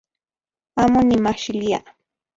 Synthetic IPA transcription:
amʊnɪmaχʃɪlija̰ʔ

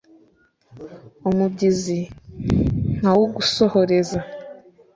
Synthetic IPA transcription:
umubɟizi | ŋ̥awoɡuso̞ho̞ɾe̞za

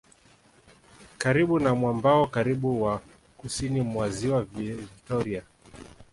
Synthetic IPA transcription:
kaɾiɓunamwambaɔkaɾiɓuwa | kusinimwaziwaviktɔɾia

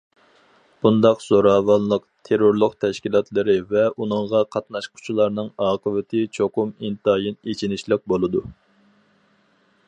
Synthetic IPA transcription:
b̥und̪ɑqz̥oɾɑːwɑnlˠəqt̪ʰeɾoɾlˠʊqt̪ʰɛʃkʲilˠɑt̪lˠɨɾɨvɛʔunɨŋʁɑqʰɑt̪nɑʃqʰʊ̥t͡ʃʰilˠɑɾnɨŋɑːqʰəvɪt̪ʰɪt͡ʃʰoqʊmint̪ɑːjinet͡ʃʰinɪʃlˠɪq̚bolˠɨd̪u

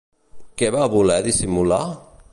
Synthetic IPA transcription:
kɛβaβulɛðisimula

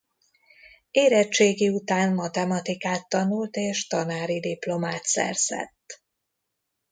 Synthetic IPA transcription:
eːɾɛt͡ʃeːɡiut̪aːnmɒt̪ɛmɒt̪ikaːt̪ːɒnult̪eːʃt̪ɒnaːɾid̪iplo̞maːt̪sɛ̰rz̥ɛ̰t̪ː

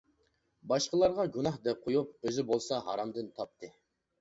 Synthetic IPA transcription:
bɑʃqəlˠɑɾʁɑɡʲunɑhd̪ɛp̚qʰojup̚øzɪbolˠsɑɦɑ̰ɾɑmd̪ɨnt̪ʰɑp̚t̪ʰɨ

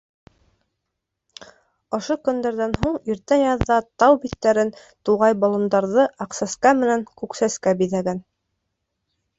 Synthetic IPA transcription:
ŏʃokɵ̆nd̪æɾðænɦuɴiɾt̪æjɑðːɑt̪ɑwbit̪ːæɾɘn | t̪uʁɑjbɑlˠɤ̆nd̪ɑɾðɤʔɑqsæskæmɘ̆næŋkʉksæskæbiðæɡæn

